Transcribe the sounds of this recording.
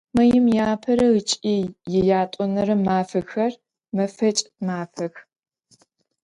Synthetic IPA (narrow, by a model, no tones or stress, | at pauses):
mɐjɪmjaːpʰɐɾɐɣɨt͡ʃʼiːjjɛjaːtʷʼɔnɐɾɐmːaːfɐxɐr | mɐfɐt͡ʃʼmaːfɐx